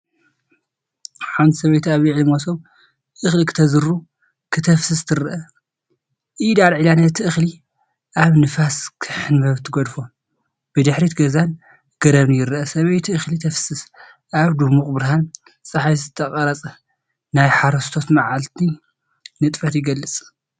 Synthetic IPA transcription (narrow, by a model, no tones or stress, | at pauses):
ħand̪sɐβɐjt̪ʰaβjiʕɨlɨmosom | ʔɨxlikʰɨ̥t̪ʰɐzɨɾu | kʰɨt̪ʰɐfsɨst̪ʰɨɾʔɐ | ʔid̪aɾʕilanɐt̪ʰɨʔɨxli | ʔaβnɨfaskʰɨħɨnbɐβt̪ʰɨɡod̪fo | b̥ɨd̪ɨħɾit̪ɡɐzan | ɡ̥ɐɾɐβnɨjɪɾʔɐsɐβɐjt̪ʰiʔɨxlit̪ʰɐfsɨs | ʔaβd̪umukʼbɨɾɦan | t͡sʼɐħajzɨt̪ʰːɐqʼɐɾɐt͡sʼɐ | najħaɾɐst̪ʰo̞t̪maʕalt̪ʰi | nɨt̪ʼfɐt̪jɪɡɐlːɨt͡sʼ